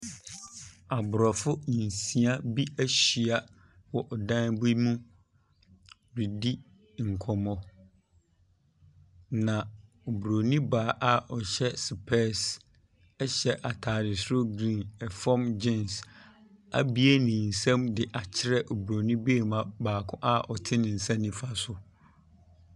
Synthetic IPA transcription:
a˨bʊ˨ɾɔ˨fʊ˦i˨n˨sĩ˨a˦bi˦æ˦ɕɥi˨a˨ | wɔ˨ʔɔ˨dã˦n˦bu˦mũ˦˨ | ɾi˨di˦ | ŋ̩˨kʰɔ˨mɔ̃˨ | nã˨ | o˨bɾo˨nĩ˦baː˨ʔa˨ʔɔ˨ɕɛ˦sɪ˨pʰɛ˦s | ɛ˦ɕɛ˦ʔa˨tʰaː˨dɪ˨sʊ˦ɾo˦ɡɾĩ˦˨nɛ˨fɔ˦md͡ʑɪ̃˦ns | a̰˨bi˦e˦nĩ˨n̩˨sã˦mdɪ˨ʔa˨t͡ɕʰɪ˦ɾɛ˦ʔo˨bɾo˨nĩ˦beː˦˨mã˨baː˨kʰʊ̃˦ʔa˦ʔɔ˨tʰɪ̃˦nɪ̃˨n̩˨sã˦nĩ˦fa˦sʊ˨

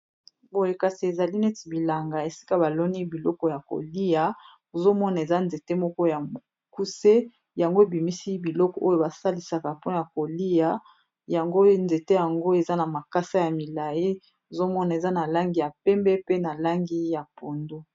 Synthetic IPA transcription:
bo˨je˨ka˨si˨e˨za˨li˦nɛ˦ti˨bi˨la˨ŋɡa˨e˨si̥˦ka˦ba˨lɔ˦ni˦bi˨lɔ˦kɔ˦ja˨ko̰˨li˦ja˨ | o˨zo˦mɔ˦na˨e˨za˦nze˨te˦mɔ˦kɔ˦ja˨mo˨ | ku˦se˦ | ja˨ŋɡo˦e˨bi˨mi˦si˦bi˨lɔ˦kɔ˨ʔo˦jo˦˨ba˨sa˦li˨sa˨ka˨pɔ˦˨ja˨ko˨li˦ja˦ | ja˨ŋɡo˦nze˨te˦ja˨ŋɡo˦e˨za˦na˨ma˨ka˦sa˦ja˨mi˨la˨ji˦ | o˨zo˦mɔ˦na˨e˨za˦na˨la˦ŋɡi˦ja˨pɛ˦mbɛ˦pe˦na˨la˦ŋɡi˦ja˨po˨ndo˦

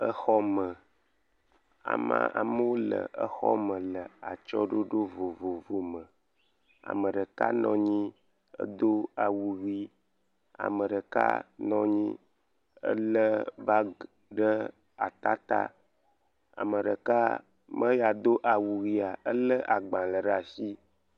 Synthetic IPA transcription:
ə˦xɔ˦mə˨ | a̰˨ma̰˦a̰˨mə˦wo˦lə̰˨ə˦xɔ̰˦mə̃˨lə˨a̰˨t͡ʃɔ˦ɖo˦ɖo˦vo˨vo˨vo˨mə˨ | a̰˨mə˨ɖə˨ka˦nɔ̰̃˨ɲĩ˦ | ə̰˦d̪o˦a˨wu˨ɣi˦ | a̰˨mə̃˨ɖə˨ka̰˦nɔ̃˦ɲĩ˦ | ə̰˦lə˦ba˦ | ɖə˦ | a˨t̪a˦t̪a̰˦ | a̰˨mə˨ɖə˨ka˦ | mə˦ja˨d̪o˦ʔa˨wu˨ɣi˦a˨ə˦lə˦ʔa˨ɡ͡bã˨lə˨ɖa˨si˦

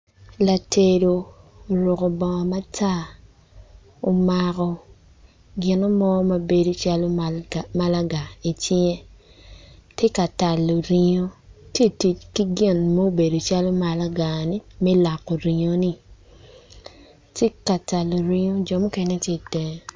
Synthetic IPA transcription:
la˨te˨do˨o˨ɾo˨ko˨bɔ˨ma˦tʰa˦ | o˨ma˨kɔ˨ | ɡɪ˨nɔ˦mɔ˦ma˦be˨do˦t͡ʃa˦lo˦ma˦la˦ɡa˨i˨tje˦ | tje˦ka˨ta˨lːo˨ɾi˨ɲo˦te˦ti˨t͡ʃki˦ɡɪ˦˨nmo˦o˦be˨do˨t͡ʃa˦lo˦ma˨la˦ɡa˨ni˦mɛ˦la˨kːo˨ɾi˨ɲo˦ni˦ | te˦ka˨ta˨lːo˨ɾi˦ɲo˦d͡ʒɔ˨mo˦ke˦ne˦tje˦dɛ˨

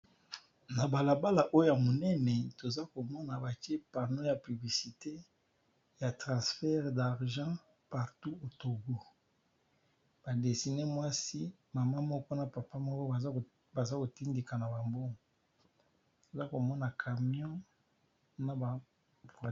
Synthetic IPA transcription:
na˨ba˨la˨ba˦la˨ʔo˦jo˦ja˨mo˨nɛ˦nɛ˨to˨za˦ko˨mɔ˦na˨ba˨ke˦pa˨ʁno˦ja˨py˨bli˨si˨te˦ | ja˨tʁɑ̃˨sfɛ˦ʁda˨ʁʒɑ̃˦ | pa˨ʁtu˦o˨to˨ɡo˦ | b̥a˨de˨si˨ne˦mwa˦si˦ | ma˨ma˦mɔ˦kɔ˦na˨pa˨pa˦mɔ˦kɔ˦a˨˦ | ba˨za˦ko˨ti˦ndi˨ka˨na˨ba˨mbo˦˨ | to˨za˦ko˨mɔ˦na˨kʰa˨mjɔ̃˦ | na˨ba˨

